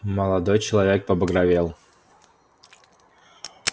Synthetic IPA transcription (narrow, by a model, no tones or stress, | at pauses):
məlˠɐd̪ojt͡ɕɪlˠɐvʲek̚pəɐbəɡɾɐvʲelˠ